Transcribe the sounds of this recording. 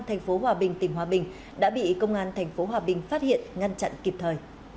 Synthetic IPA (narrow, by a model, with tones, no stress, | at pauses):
t̪ʰɛ˨˩jŋ̟fo˨˦ɦwaː˨˩ɓï˨˩ŋ̟t̪ï˨˧˩ŋ̟ɦwaː˨˩ɓï˨˩ŋ̟ | ɗa̰ː˧˥ɓḭ˧˨kə˧wŋ͡mʔaː˧nt̪ʰɛ˨˩jŋ̟fo˨˦ɦwaː˨˩ɓï˨˩ŋ̟faː˦˥t̚hḭ˧˨ənŋa˧nt͡ɕa̰˧˨nki˨˩p̚t̪ʰəː˨˩j